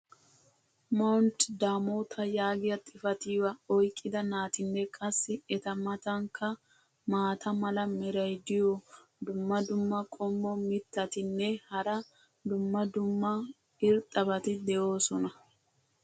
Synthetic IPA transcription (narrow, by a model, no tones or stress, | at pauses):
mɔnt̪d̪aːmoːt̪ʰɐjaːɡɪjɐt̪ʼɪfɐt̪iːwɐɔjkʼːɪd̪ɐnaːt̪ɪnːɛkʼɐsːɪɛt̪ɐmɐt̪ɐŋkʰːɐ | maːt̪ʰɐmɐlɐmɛɾɐjd̪ɪjod̪ʊmːɐd̪ʊmːɐkʼɔmːɔmɪt̪ːɐt̪ɪnːɛhɐɾɐ | d̪ʊmːɐd̪ʊmːɐ | ɪɾt̪ʼɐbɐt̪ɪd̪ɛʔoːsɔnɐ